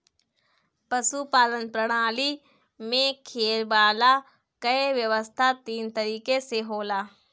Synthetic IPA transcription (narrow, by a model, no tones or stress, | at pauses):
pɐsupaːlənpɾəɽ̃aːli | mẽkʰeːlbaːla | kɐeʋjəʋəst̪ʰat̪iːnt̪əɐɾiːkeseɦoːlaː